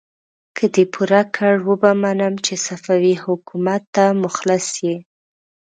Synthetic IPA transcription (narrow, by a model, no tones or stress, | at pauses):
kʰəd̪epʰuɾakʰəɽwəbamanəmt͡ʃesafawihʊkumat̪ːamʊxlasji